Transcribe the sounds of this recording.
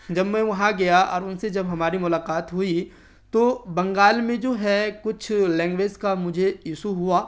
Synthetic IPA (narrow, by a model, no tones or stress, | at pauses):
d͡ʒɐbmɛ̃ʋɐɦãɡɐjaʔɔ̰ːɾʊnsed͡ʒɐbɦɐmaːɾimʊlaːqaːt̪ɦʊi | t̪obɐ̃ŋɡaːlmẽd͡ʒoːɦɛkʊt͡ʃʰlɛ̃ːŋɡʋeːd͡ʒkamʊd͡ʒʱeiːsuɦuaː